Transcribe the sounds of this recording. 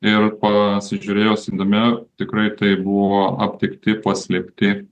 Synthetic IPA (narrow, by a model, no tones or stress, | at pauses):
ɪrpɐsʲɪʒʲʊɾʲeːjoːsɪd̪omʲɛt̪ʲɪkɾɐɪt̪ɐɪbʊʋoːɐ̰pʲt̪ʲɪkt̪ʲɪpɐsʲlʲɛpʲt̪ʲɪ